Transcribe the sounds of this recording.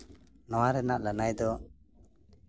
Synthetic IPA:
nɔwaɾɛnaʔlanajd̪ɔ

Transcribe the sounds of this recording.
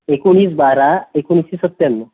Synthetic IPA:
ekoɽ̃iːs̬baɾaekoɽ̃isisət̪ːjəmːə

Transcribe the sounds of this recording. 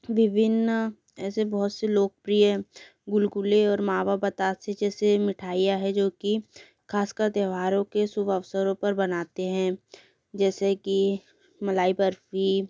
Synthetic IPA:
ʋɪbɪn | ɛːsebɔɦʊt̪seloːk̚pɾijə | ɡʊlɡʊleɔːɾmaːʋabət̪aːsed͡ʒɛːsemɪʈʰaːijaɦɛd͡ʒoːki | kʰaːskəɾt̪jəːʋaːɾõkesʊbʱəʋsəɾõpɐɾbɐnaːt̪eɦɛ̃ | d͡ʒɛːseki | mɐlaːibəɾfi

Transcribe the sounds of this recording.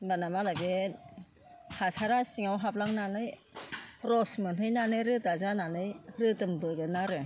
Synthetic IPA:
banamalaɡe | hʰasaɾasiŋawɦap̚laŋnanɯj | ɾɔsmɯntʰɯjnanɯjɾɯtazananɯjɾɯtɯmdɔjɡɯnaɾɯ

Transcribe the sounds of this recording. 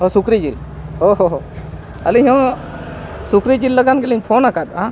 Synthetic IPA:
ɔsukɾid͡ʒil | hoɦoɦ | əliɦɔ̃ | sukɾid͡ʒilːəɡanɡɛliɲpʰɔnakat̪̚a

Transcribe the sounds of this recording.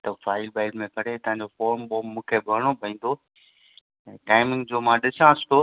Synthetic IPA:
t̪ɐfaːɪlbaːɪlmẽkɐɽ̤et̪ɐ̃ɦãɲd͡ʑofoːɾmboːmːũːkʰebʱɐɽ̃obʱɐĩːn̆d̪o | ɛ̃ːʈaːɪmɪŋd͡ʑoːmãːɗɪsãɪsʈ̪oː

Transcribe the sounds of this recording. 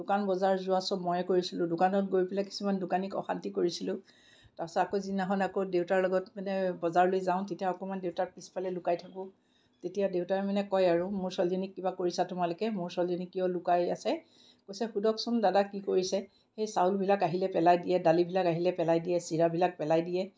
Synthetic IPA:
d̥ʊkanbɔzaɹzʊasɔbmɔjɛkoɹisilʊ̃dʊkanɔt̚ɡoɹpɛlaki̥sumandʊkanikɔ̰xa̰ntikoɹisilʊ̃ | tasɔakozinaɦɔnakodeʊwtaɹlɔɡɔtmanɛbɔzaɹlojzaʊ̃tetijaɔkɔmandewtaɹpispʰalɛlʊkajtʰakʊ̃ | tetijadewtaɹɛmanɛkɔjaɹumʊɹsɔlzɔnikːibakoɹisatʊmalʊkɛmʊɹsɔlzɔnikːijɔlʊkaja̰sɛ | kojsɛxudɔksɔndadakikoɹisɛ | xejsawlbʱilakaɦilɛpɛlajdijɛdalibʱilakaɦilɛpɛlajdijɛsiɹabʱilak̚pɛlajdijɛ

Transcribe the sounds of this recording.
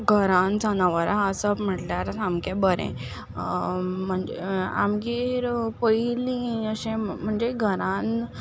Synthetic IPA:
ɡʱəɾãnd͡zʱanaʋəɾaəsəm̤əʈljaɾat̪amkẽbəɾḛ̃ | m̤əɳd͡zḛa̰mɡiːɾpəilĩəɕẽm̤əɳd͡zeɡʱəɾãn

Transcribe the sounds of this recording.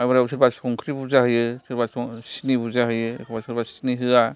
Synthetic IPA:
ajbaɾausʰɯɾbasɔŋkʰɾibuzahɯjɯsʰɯɾbassinibuzaɦɯjɯkʰɔbasɯɾbasniɦɯa

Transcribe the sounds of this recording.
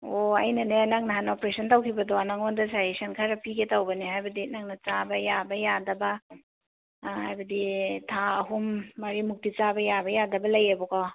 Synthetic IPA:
oɐjnɐnenaŋnɐɦanopɾesʰɐntawkʰibɐdɔanaŋondɐsaisɐnkʰaɾɐpiketɐwbɐnihajbɐdinaŋnɐt͡ʃabɐjabɐjadɐbɐ | hajbɐditʰaɐɦumːɐɾimuk̚tit͡ʃabɐjabɐjadɐbɐlɐjebɔkɔ

